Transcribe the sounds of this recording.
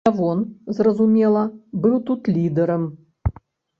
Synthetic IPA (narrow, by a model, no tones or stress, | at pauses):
avɔnzrɐzumʲelˠɐbɨlˠt̪ut̪lʲid̪əɾəm